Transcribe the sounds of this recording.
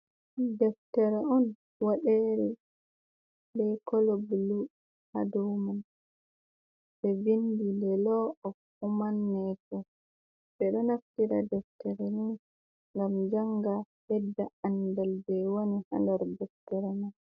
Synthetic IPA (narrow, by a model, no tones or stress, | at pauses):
dɛftɛɾɛɔn | waɗeɾɛ | bbɛkɔlɔbulu | ha̰duman | bɛvindilɛlɔɔ | umanːɛkɔ | ɓɛɗɔnaftiɾa̰dɛftɛɾɛnin | ŋɡamd͡ʒaŋɡa | hɛdːaandɛlbɛwoniha̰ndaɾdɛftɛɾɛman